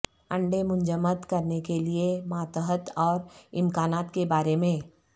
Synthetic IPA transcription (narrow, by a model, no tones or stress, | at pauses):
ɐ̃ɳɖemʊ̃ɲd͡ʒəmət̪kɐɾnekeliemaːt̪əɦət̪ɔːɾɪ̃mkaːnaːt̪kebaːɾemẽ